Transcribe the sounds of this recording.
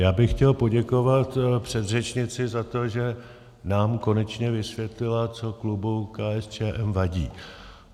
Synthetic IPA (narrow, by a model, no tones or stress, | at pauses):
jaːbɪxxcɛlpo̞ɟɛko̞vat̪pr̥ɛd̪rɛt͡ʃɲɪt͡sɪzat̪o̞ʒɛ | naːmko̞nɛt͡ʃɲɛvɪsvjɛt̪lɪlat͡so̞klubukaːʔɛst͡ʃɛːʔɛmvaɟiː